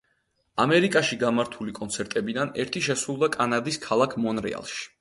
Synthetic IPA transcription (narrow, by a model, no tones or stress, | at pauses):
amɛɾikʼaʃiɡamaɾt̪ʰulikʼɔnt̪sʰɛɾt̪ʼɛbid̪anɛ̰ɾt̪ʰiʃɛsɾulˠd̪akʼanad̪iskʰalˠakʰmɔnɾɛ̰a̰lˠʃi̥